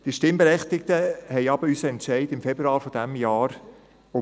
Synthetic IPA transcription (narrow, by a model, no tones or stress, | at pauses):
d̥iəʃtɪmbɛɾɛχt̪ɪk̚təhɛɪɑbəysəɛntʃɛɪdɪmfɛbɾuɑːlfɔd̥æmjaːɾ | ʊ